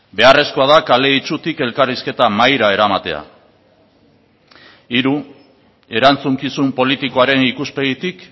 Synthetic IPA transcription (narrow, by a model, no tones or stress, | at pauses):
be̞are̞sko̞aðakale̞it͡ʃut̪ike̞lkariske̞t̪amajɾae̞ɾamat̪e̞a̰ | iɾu | e̞ɾant͡suŋkisumpo̞lit̪iko̞aɾe̞nikuspe̞ɣit̪ik